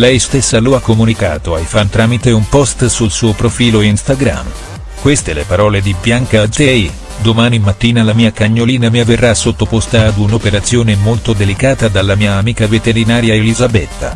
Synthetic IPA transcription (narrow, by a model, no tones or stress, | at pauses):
lɛjst̪esːaloakːomunika̰ːt̪oajfant̪ɾaːmit̪eumpɔst̪sulsuːopɾofiːloinst̪aɡɾa̰m | kwest̪elḛpaɾɔːled̪ibjaŋkad͡ʒɛj | d̪omaːnimat̪ːiːnalamiːakaɲːoliːnamiaverːasːot̪ːopost̪aːd̪unopeɾat̪sjoːnemolt̪od̪elikaːt̪ad̪alːamiːaːmiːkavet̪eɾinaːɾjaelizabɛt̪ːa̰